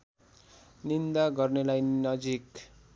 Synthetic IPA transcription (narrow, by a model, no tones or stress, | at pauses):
nind̪aɡʌrnelajnʌd͡zik